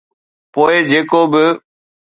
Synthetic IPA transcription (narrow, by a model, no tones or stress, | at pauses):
poːɪd͡ʑeːkobɪ